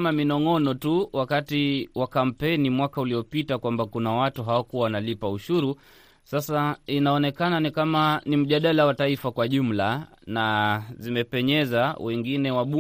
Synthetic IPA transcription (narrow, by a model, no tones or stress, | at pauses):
maminɔŋɔnɔtuwakatiwakam̩pɛnimwakauliɔpitakwambakunawatuɦawakuwawanalipauʃuɾu | sasainaɔnɛkananikamanim̩ʄaɗalawataifakwaʄum̩la | nazimɛpɛɲɛzawʔɛŋɡinɛwaɓu